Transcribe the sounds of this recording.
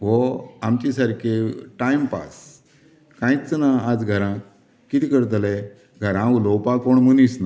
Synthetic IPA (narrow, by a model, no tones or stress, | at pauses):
ʋɔamt͡ɕisaɾkʰeʈajmpa̰s | kãĩt͡snaad͡zɡʱəɾã | kːit̪ikəɾt̪̬lɛ | ɡʱəɾãulowpakoɳmənisna